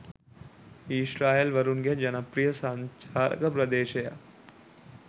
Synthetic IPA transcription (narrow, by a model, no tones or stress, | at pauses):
iʃɾaːelʋɐɾunɡed͡ʒɐnɐpɾijɐsãnt͡ʃaːɾɐ̰kɐpɾɐd̪eːʃeja̰